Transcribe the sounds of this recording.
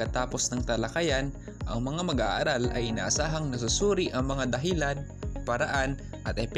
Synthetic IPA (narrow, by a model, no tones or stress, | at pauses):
kɐt̪aːpo̞snɐŋt̪ɐlɐkɐjan | ʔɐŋmɐŋamɐɡʔa̰ːʔɐɾalʔɐ̰jʔɪna̰ːʔɐsaːɦɐŋnɐs̬usuːɾiʔɐŋmɐŋad̪ɐɦilan | pɐɾɐʔan | ʔɐt̪̚ʔɛp